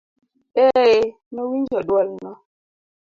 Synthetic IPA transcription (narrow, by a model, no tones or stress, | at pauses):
e | məwind͡ʒɔɗwɔlnɔ